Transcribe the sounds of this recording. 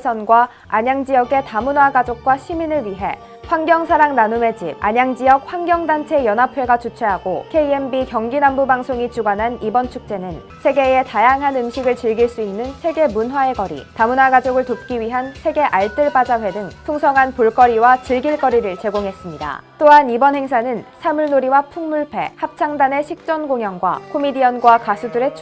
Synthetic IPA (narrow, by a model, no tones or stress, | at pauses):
sʰʌnɡwa | aɲaŋd͡ʑijʌɡe̞tamunwaɡad͡ʑok̚k͈waɕʰiminɯɭɥiɦe̞ | ɸwaŋɡjʌŋsʰaɾaŋnanume̞d͡ʑip̚a̰ɲaŋd͡ʑijʌk̚ɸwaŋɡjʌŋdant͡ɕʰe̞jʌnɦapʰwe̞ɡat͡ɕut͡ɕʰwe̞ɦaɡokʰe̞iembikjʌŋɡinambubaŋsʰoŋit͡ɕuɡanɦanibʌnt͡ɕʰuk̚t͡ɕ͈e̞nɯn | sʰe̞ɡe̞etajaŋɦanɯmɕʰiɡɯɭt͡ɕiɭɡiɭs͈uinːɯnsʰe̞ɡe̞munwae̞ɡʌɾḭtamunaɡad͡ʑoɡɯɭtop̚k͈iɥiɦansʰe̞ɡe̞ʔaɭt͈ɯɭpad͡ʑaɸwe̞dɯŋpʰuŋsʰʌŋɦanpuɭk͈ʌɾiwat͡ɕiɭɡiɭk͈ʌɾiɾɯɭt͡ɕe̞ɡoŋɦe̞s͈ɯmɲida̰t͈oɦanibʌnɦe̞ŋs̬ʰanɯnsʰamuɭnoɾiwapʰuŋmuɭpʰe̞̰hap̚t͡ɕʰaŋdane̞ɕʰik̚t͡ɕ͈ʌnɡoŋjʌŋɡwa̰kʰomidiʌnɡwakasʰuduɾe̞t͡ɕʰ